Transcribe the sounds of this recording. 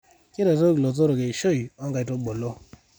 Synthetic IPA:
ke˦ɾe˨to˦klo˨to˦ɾo˨ke˨ʃo˦i˨ɔ˦ŋɡa˨i˨to˦ɡ͡bo˨lo˦

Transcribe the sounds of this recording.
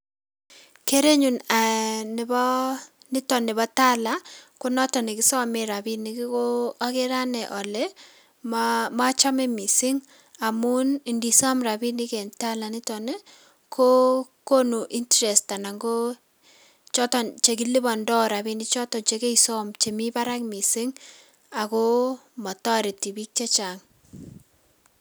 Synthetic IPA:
ke˦ɾe˦ɲu˨na˨nɪ˨bɔnɪ˦tɔ˨nɪ˨bɔ˦ta˦la˨˦kʊ˦nɔ˦tɔ˨nɪ˨kɪ˦sɔ˦mɪ˨ɾa˨bi˦nɪ˨kɪ˦ko˦a˦kɪ˦ɾa˦nɛ˨ʔɔ˨lɛ˦ | mma˦t͡ʃa˦mɛ˦mi˨si˦ŋ | a˨mu˦ni˨ndi˨sɔ˦mɾa˨bi˦nɪ˦ke˨nta˦la˨nɪ˦tɔ˨nɛ˦ | kʰo˦ko˦nu˨ʔi˦ntɾɛ˨sta˨na˨ŋɡo˦ | t͡ʃɔ˦tɔ˨nt͡ʃe˨k̬i˦li˦bɔ˨ndɔ˦ɾa˨bi˦ni˦t͡ʃɔ˦tɔ˨t͡ʃe˦ke˦isɔ˦mt͡ʃe˨mi˦ba˦ɾa˦kmi˨si˦ŋ | a˨ko˦mɔ˨tɔ˦ɾi˨ti˨bi˦k̚t͡ʃe˦t͡ʃa˨ŋ

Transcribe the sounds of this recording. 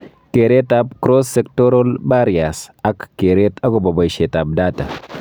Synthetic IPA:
ke˨ɾe˦ta˦b̚kɾo˦sːe˨k̚to˦ɾo˦lba˦ɾia˨sa˦kːe˨ɾe˦t̪a˦ko˨bɐ˨ba˨jʃe˨ta˨b̚daː˦ta˨

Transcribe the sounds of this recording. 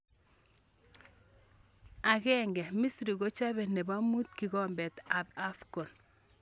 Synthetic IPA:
a˨ɣɛ˦ŋɡɛ˨mi˦sɾi˨ɣo˦t͡ʃa˦βɛ˨ne˨ba˦mu˦tki˨ɣɔ˦mbɛ˨ta˨ba˦fko˨n

